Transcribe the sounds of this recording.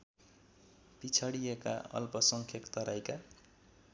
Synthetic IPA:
pit͡sʰʌɽijeka̰ʌ̰lpʌsʌŋkʰekt̪ʌɾajka

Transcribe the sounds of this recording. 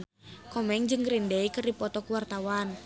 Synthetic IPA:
kɔmɛŋd͡ʒɨŋɾindɛikɨrdipɔt̪ɔkuwart̪awan

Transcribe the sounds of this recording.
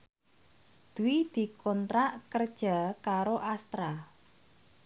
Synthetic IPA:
d̪̥uwid̪̥i̤kʰɔnt̪ɾaʔkərd̥ʒ̥a̤kaɾoʔast̪ɾa

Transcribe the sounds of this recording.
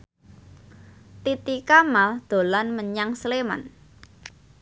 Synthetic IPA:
t̪it̪ikamald̪̥o̤lanməɲaŋslema̰n

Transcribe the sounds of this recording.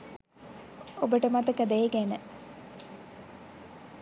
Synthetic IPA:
obəʈəmat̪əkɐd̪eeɡænə

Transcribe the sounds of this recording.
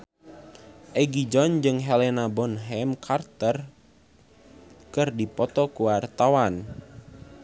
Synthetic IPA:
ʔɛɡid͡ʒɔnd͡ʒɨŋɦɛlɛnabɔnɦɛmkʰart̪ər | kɨrdipɔt̪ɔkuwart̪awan

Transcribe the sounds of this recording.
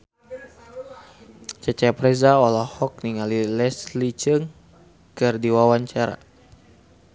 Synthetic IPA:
t͡ʃɛt͡ʃɛpɾɛzaɔlɔhɔk̚niŋalilɛslit͡ʃəŋ | kɨrdiwawaɲt͡ʃaɾa̰

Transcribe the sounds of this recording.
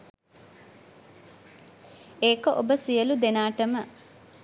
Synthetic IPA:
eːkəʔobəsijəlud̪enaːʈəmə

